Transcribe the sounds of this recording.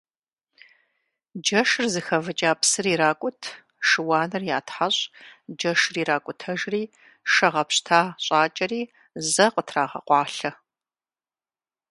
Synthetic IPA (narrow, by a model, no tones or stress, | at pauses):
d͡ʒɐʃrzɨxɐvɨt͡ʃʼaːpsɨriːɾaːkʷʼʊtʰ | ʃɨwɑːnɨrja̰ːtʰħaɕʼd͡ʒɐʂriːɾaːkʷʼʊtʰɐʒriː | ʃɐʁɐpɕtʰaːɕʼaːt͡ʃʼɐriː | zɐqətʰraːʁɐ̰qʷɑːɬɐ